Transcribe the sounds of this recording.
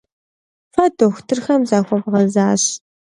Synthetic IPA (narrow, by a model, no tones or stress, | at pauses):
fɐdʰoxʷtʰɨrxɐmzaːxʷɔbʁɐzaːɕ